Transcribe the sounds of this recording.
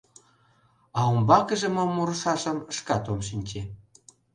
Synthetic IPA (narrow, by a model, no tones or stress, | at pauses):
ɑombɑkə̆ʒĕmomːuɾə̆ʃɑʃə̆məʃkɑt̪omʃinʲt͡ɕe